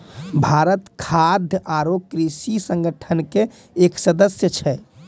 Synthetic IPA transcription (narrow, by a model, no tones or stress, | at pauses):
bʱaɾət̪kʰad̪ʱjʔaɾokɾisisə̃ŋɡəʈʰənkeː | ksəd̪əsjət͡ʃʰɛ